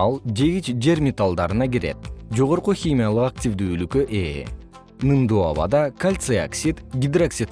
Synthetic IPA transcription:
ɑlˠd͡ʒe̞ɡit͡ʃd͡ʒe̞ɾmʲet̪alˠd̪ɑɾɯnɑɡiɾe̞̰t̪̚d͡ʒo̞ʁo̞ɾquxʲimʲijalˠɯqak̚tʲivd̪yːylykøʔe | nɨnd̪oa̰βɑ̰d̪ɑkalʲt̪sɨa̰ksʲit̪ɡʲid̪raksʲit̪

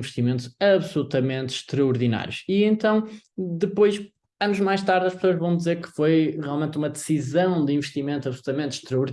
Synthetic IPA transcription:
vɨʃt̪imẽnt̪uz̥ɐβsulˠut̪ɐmẽnt̪ʃt̪ɾɐuɾðina̰ɾjuʃiẽnt̪ɐ̃w̃d̪ɨpojʃ | ɐnuʒmajʃt̪aɾðɐʃpsoɐʒvɐ̃w̃d̪izeɾkɨ̥fojʁialˠmẽnt̪umɐðɨsizɐ̃w̃d̪ɨĩvɨʃt̪imẽnt̪uɐβsulˠut̪ɐmẽnt̪ʃt̪ɾɐuɾ

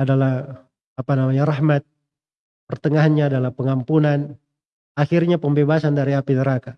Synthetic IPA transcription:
adalah | apanamaɲaɾahmat̪̚ | pərt̪əŋaɦanɲaːdalahpəŋampunan | axirɲapəmbebasandaɾiapinəɾaka

